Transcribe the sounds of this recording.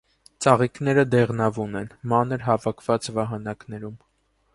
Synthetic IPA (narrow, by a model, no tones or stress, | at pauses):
t͡sɑʁiknɛɾəd̪ɛʁnɑvunɛnmɑnəɾɦɑvɑkʰvɑt͡svɑɦɑnɑknɛɾum